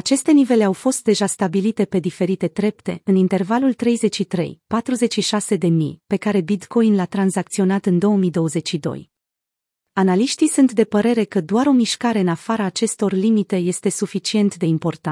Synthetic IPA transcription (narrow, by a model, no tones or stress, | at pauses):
at͡ʃe̞st̪e̞nive̞le̞awfo̞st̪̚d̪e̞ʒast̪abilit̪e̞pe̞d̪ife̞ɾit̪e̞d̪ɾe̞p̚t̪e̞̰ɨnint̪e̞rvalult̪ɾe̞jze̞t͡ʃʃit̪ɾe̞̰jpat̪ɾuze̞t͡ʃʃiʃase̞d̪e̞mḭjpe̞kaɾe̞bit̪ko̞jnlat̪ɾanzak̚t̪sio̞nat̪ɨnd̪o̞wəmijd̪o̞wəze̞t͡ʃʃid̪o̞̰j | analiʃt̪isunt̪d̪e̞pəɾe̞ɾe̞kəd̪oaɾo̞miʃkaɾe̞ɨnafaɾaːt͡ʃe̞st̪o̞rlimit̪e̞je̞st̪e̞sufit͡ʃie̞nt̪d̪e̞impo̞rt̪a